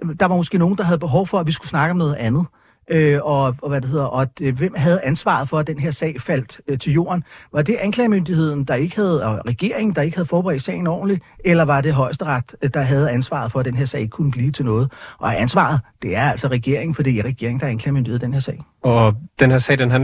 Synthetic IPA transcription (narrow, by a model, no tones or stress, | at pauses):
d̥ɑ̈ʋɑ̈mɔ̽sɡ̥e̝̰ːno̝ːn̩d̥ɑ̈ɦæð̞̩ˠb̥e̝ɦɒʊfɒ̽æʋisɡ̥usnɑ̈ɡ̥əɒ̽mnɔð̩ˠænð̞̩ˠ | ʔøɒ̽ɒʋæd̥ehe̝ð̰ˠɐʔɒ̥̽ʋemɦæð̞̩ˠænsʋɑ̰̈ðˠfɒ̽æd̥enɦe̝ɐ̰sɛ̰ɪfæl̰d̥t͡sʰe̝ljo̝̰ːɐnʋɑ̈d̥e̝ʔænkʰlɛːmønd̥ihe̝ð̞̰ˠn̩d̥ɑ̈e̝ɡ̥əhæð̞̩ˠɒʁɛɡ̥e̝̰ɐ̰e̝ŋn̩d̥ɑ̈e̝ɡ̥hæðˠfɒːb̥eʁɛ̰ːd̥sɛ̰ɪn̩ɒ̰ːn̩lielɐʋɑ̈d̥e̝ɦɒ̽ɪsd̥əʁɑ̈d̥d̥ɑ̈ɦæð̞ˠænsʋɑ̰̈ð̞̩ˠfɒ̽æd̥enɦeɐ̰sɛ̰ɪkʰunəb̥liːt͡sʰe̝lnɔ̽ːð̞̩ˠʔɒ̽æænsʋɑ̰̈ðˠd̥e̝æɐæl̰sɒ̽ʁɛɡ̥e̝ɐ̰eŋ̩fɒ̽d̥ḭːiʁɛɡ̥e̝ɐeŋ̩d̥ɑ̈ænkʰlɛ̰ːmøndiheð̰ˠd̥enhe̝ɐsɛ̰ɪ̰ | ɒd̥enheɐ̰sɛ̰ːd̥enɦæn